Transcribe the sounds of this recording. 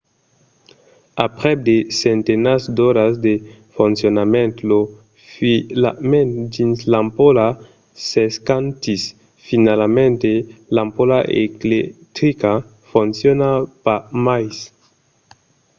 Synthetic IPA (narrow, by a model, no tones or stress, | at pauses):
apʁeb̚desentenasdoɾasdefonsionamentlo | filamend͡ʒinslampola | seskantis | finalamentelampolaʔḛkletɾika | fonsionapamajs